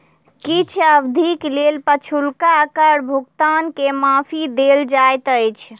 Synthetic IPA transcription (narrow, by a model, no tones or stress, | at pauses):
kit͡ʃʰəbd̪ʱiklelpət͡ʃʰulkakəɾbʱuɡt̪ankemapʰid̪eld͡ʒajt̪əjt͡ʃʰ